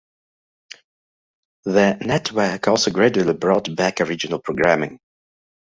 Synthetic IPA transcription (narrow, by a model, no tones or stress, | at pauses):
ðənɛtʰwɜ˞kʰɔlˠsoʊɡɹɛd͡ʒəlˠibɹɔtb̥ækəɹɪd͡ʒɪnəl̩ˠpʰɹ̥oɡɹæmɪ̃ŋ